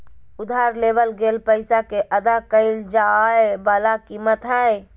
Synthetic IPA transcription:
ʊd̪ʱaɾlebəlɡelpəɪsakeʔəd̪akəɪld͡ʒaebaːlakimət̪ɦae

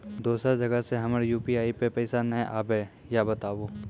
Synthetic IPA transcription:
d̪oːsɾad͡ʒɐɡəseɦɐmɾjuːpiaːipepɛːsanɐɦɛ̃ʔaːbe | jabɐt̪aːboː

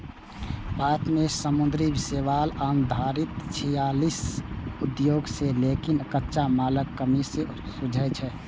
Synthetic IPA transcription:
baːt̪mesəmʊ̃nd̪ɾibɪseʋaːlaːnd̪ʱaːɾɪt̪t͡ʃʰijaːlisud̪joːɡselekinkətːʃamaːləkːəmise | sud͡ʒʱəjt͡ʃʰɛ

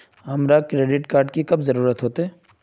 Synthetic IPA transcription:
ɦɐmɾakɾeːɖɪʈkaːɾɖkikɐbzɐɾuːɾət̪ɦoːt̪eɦɛː

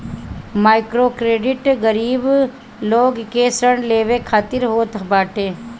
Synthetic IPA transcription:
maːɪkɾoːkɾeːɖɪʈɣəɾiːb | loːɡkesəɳleːʋekʰaːt̪ɪɾɦoːt̪baːʈeː

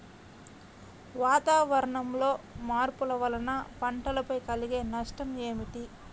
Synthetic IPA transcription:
ʋaːt̪aːʋɐɾɐɳɐmlo̞ːmaːɾpulɐʋɐlɐnɐpɐɳʈɐlɐpɐjkɐliɡe̞ːnɐʂʈɐmeːmiʈi

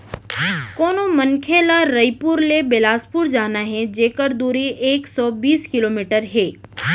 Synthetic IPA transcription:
kɔːnomɐnkʰeːlaɾəipuɾlebelaːspʊɾd͡ʒaːnaɦɛd͡ʒeːkəɾd̪uːɾiʔeːksɔːbiːskɪloːmiːʈəɾɦɛː

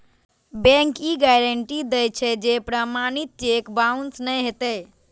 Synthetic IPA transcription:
bɛ̃ŋkiɡaɾəɳʈid̪əjt͡ʃʰɛd͡ʒepɾəmanit̪̚ːekbawnsnəjɦet̪ə

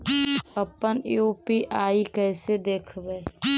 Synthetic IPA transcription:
əpənjuːpiʔaːikɛːsed̪eːkʰbeː

